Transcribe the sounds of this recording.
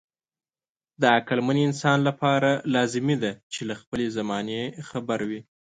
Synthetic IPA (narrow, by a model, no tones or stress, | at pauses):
d̪əakalmaniɪnsɑnlapɑɾalɑzɪmid̪at͡ʃelaxpəlezamɑnexabaɾwi